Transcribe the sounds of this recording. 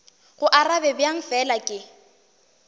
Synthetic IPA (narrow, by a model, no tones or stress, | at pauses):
ɣʊʔarabɛbjaŋ̩fɛlakʼɪ